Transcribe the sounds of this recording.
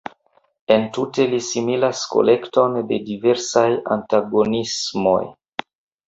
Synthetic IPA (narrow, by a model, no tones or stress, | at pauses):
e̞ntute̞lisimilasko̞̰le̞kto̞nde̞dive̞ɾsaja̰ntaɡo̞nismo̞̰j